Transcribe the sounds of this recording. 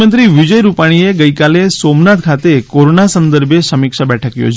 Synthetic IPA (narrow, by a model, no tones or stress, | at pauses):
ənt̪ɾiʋid͡ʒəjɾupaɽ̃ieɡəjkalesomnat̪kʰat̪ekoɾonasənd̪əɾbʱjesəmikʃabɛʈʰəkjo̰d͡ʒ